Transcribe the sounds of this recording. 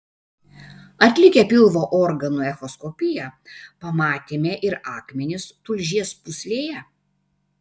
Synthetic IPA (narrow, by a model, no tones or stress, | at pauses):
ɐt̪ʲlʲɪkʲɛpʲɪlˠʋoːʔɔɾɡɐnʊɛxɔskɔpʲɪjɛpɐmɑːt̪ʲeːmʲeʔɪɾɑːkmʲɛnʲɪst̪ʊlʲʒʲiɛspʊsʲlʲeːjɛ